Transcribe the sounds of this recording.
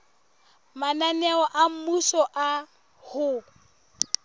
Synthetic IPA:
mananɛɔʔam̩musɔʔa | hʊ

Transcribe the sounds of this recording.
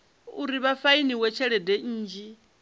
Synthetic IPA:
uɾiβafainiwɛt͡ʃʰɛɺɛdɛːd͡ʒi

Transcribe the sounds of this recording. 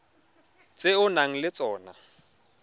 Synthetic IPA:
t͡sʼeʊnaŋ̩lɪt͡sʼɔːna

